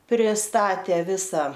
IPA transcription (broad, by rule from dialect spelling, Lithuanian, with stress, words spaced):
pʲrʲɪˈstɑːtʲeː ˈʋʲɪsɐ